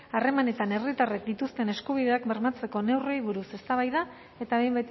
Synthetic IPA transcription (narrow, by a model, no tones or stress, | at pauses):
are̞mane̞t̪ane̞rit̪arek̚d̪it̪ust̪e̞ne̞skuβ̞ið̞e̞akbe̞ɾmat͡se̞ko̞ne̞wre̞jβ̞uɾuse̞st̪aβ̞ajða | e̞t̪aβe̞jmbet̪